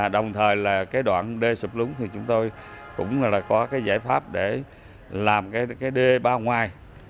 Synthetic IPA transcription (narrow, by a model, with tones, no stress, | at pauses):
ɗə˨˩wŋ͡mt̪ʰəː˨˩jlaː˨˩kaː˨˦jɗwa̰ː˧˨nɗe˧su˨˩k͡p̚lɨ˨˦ŋ͡mt̪ʰi˨˩t͡ɕʊ˨˦ŋ͡mt̪o˧jkʊ̰˧˥ŋ͡mlaː˨˩kɔ˨˦kaː˨˦jzaː˧˩jfaː˦˥p̚ɗe˧˩ | laː˨˩mkaː˨˦jkaː˨˦jɗe˧ɓaː˧wŋwaː˨˩j